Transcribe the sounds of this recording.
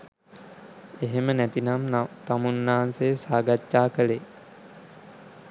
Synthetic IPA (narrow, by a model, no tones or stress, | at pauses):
eɦemənæt̪inamt̪amunːaɦansejsaːɡat͡ʃːaːkəle